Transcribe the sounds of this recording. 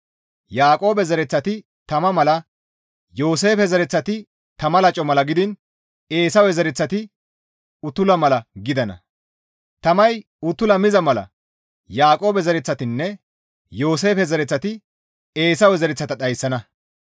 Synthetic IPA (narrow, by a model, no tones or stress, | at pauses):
jaːkʼo̞ːbɛzɐɾɛt͡sːɐt̪ɪ | t̪ɐmɐmɐlɐ | jo̞ːs̬e̞ːfɛzɐɾɛt͡sːɐt̪ɪ | t̪ɐmɐlɐt͡ʃʼɔmɐlɐɡɪd̪ɪn | e̞ːsɐwɛzɐɾɪt͡sːɐt̪ɪ | ʊt̪ːʊlɐmɐlɐɡɪd̪ɐnɐ̰ | t̪ɐmɐj | ʊt̪ːʊlɐmɪzɐmɐlɐ̰ | jaːkʼo̞ːbɛzɐɾɛt͡sːɐt̪ɪnːɛ | jo̞ːs̬e̞ːfɛzɐɾɛt͡sːɐt̪ɪ | e̞ːsɐwɛzɐɾɛt͡sːɐt̪ɐɗɐjsːɐnɐ